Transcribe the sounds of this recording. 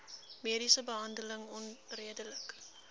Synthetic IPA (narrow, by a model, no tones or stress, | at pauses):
miəɾisəbəɦɐndələŋɔnriədələk